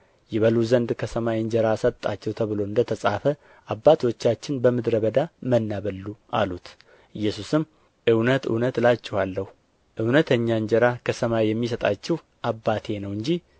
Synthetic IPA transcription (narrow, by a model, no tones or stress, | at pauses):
jɛβəluzənd̪kʰəsəmajɨnd͡ʒɛɾasət̪t̪ʼːat͡ʃːɛwt̪ʰəβɨlo̞ɨnd̪ət̪ʰəsʼafə | ʔabːat̪ʰwot͡ʃːat͡ʃːɪnbəmɨd̪ɾəβəd̪amənːaβəlːuʔalut̪ | ʔɨjːɛsusɨm | ʔɨwnət̪ɨ̰wnət̪lat͡ʃːɛhalːəhu | ʔɨwnət̪ʰəɲːaɨɲd͡ʒɛɾakʰəsəmawjɛmːis̬ət̪ʼat͡ʃːɛw | ʔabːat̪ʰe̞nəwɨɲd͡ʒih